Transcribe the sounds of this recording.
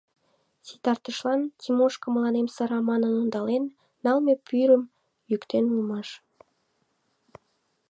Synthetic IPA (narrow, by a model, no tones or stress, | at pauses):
sit̪ɑrt̪əʃlɑnt̪ʰimoʃkəməlɑnemsəɾɑmɑnənond̪ɑlenː | ɑlmepyɾəm | jykt̪enulmɑʃ